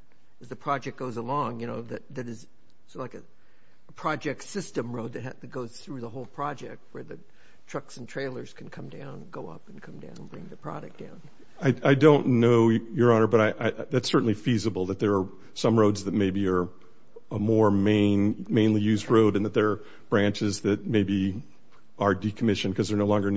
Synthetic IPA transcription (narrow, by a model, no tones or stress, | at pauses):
ɨzðɨpʰɹ̥ɑd͡ʒɛk̚ɡ̥oʊzəlɔ̃ŋjɨñoʊðɨt̪̚ðɨɾɨz | slaɪkɨ | əpʰɹ̥ɑd͡ʒɛk̚tsɪstɨ̃mɹoʊd̪̚ðɨt̚hæɨt̚ɡ̥oʊz̥θɹʉðəɦoʊlˠpʰɹ̥ɑd͡ʒɛ̰k̚t̚wə˞ðɨ | tʰɹ̥ʌksn̩tʰɹ̥eɪlˠə˞z̥kʰn̩kʰʌ̃mdãʊ̃nɡoʊʌ̰pn̩kʰʌ̃mdã̰ʊ̃nnbɹɪ̰̃ŋðɨpʰɹ̥ɑ̰ɾɨk̚d̥ã̰ʊ̃n | aɪaɪdõʊ̃nːoʊjə˞ɑnə˞bʌɾaɪʔaɪʔðætsɜ˞ʔn̩lifizəbl̩ˠðɨt̪̚ðə˞ː | sʌ̃mɹoʊdzðɨt̚meɪbiə˞ | əmɔɹmẽɪ̃nmẽɪ̃nlijʉzdɹoʊɾɨ̃nðɨt̪̚ðə˞ː | b̥ɹæ̃nt͡ʃɪzðɨt̚meɪbi | ə˞dikʰəmɪʃɨ̃nkʰʌzðə˞noʊlɔ̃ŋɡə˞